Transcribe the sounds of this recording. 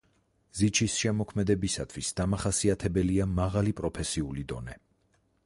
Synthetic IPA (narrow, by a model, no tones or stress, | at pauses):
zit͡ʃʰisʃɛmɔkʰmɛd̪ɛbisat̪ʰwisd̪amaχasiat̪ʰɛbɛliamaʁalipʼɾɔpʰɛsiulid̪ɔ̰nɛ